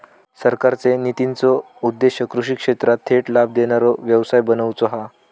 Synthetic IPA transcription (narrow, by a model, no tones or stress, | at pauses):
səɾkaɾt͡senit̪int͡sɔ | ud̪ːeɕjəkɾuʂiːkʂet̪ɾat̪ʰːeʈlab̚d̪eɽ̃aɾɔʋjəʋsajbənəwt͡sɔɦa